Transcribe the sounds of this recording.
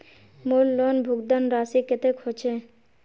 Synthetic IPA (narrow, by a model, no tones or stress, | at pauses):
molːɔnbʱuɡd̪anɾaːsikɪt̪ekʰot͡ʃʰe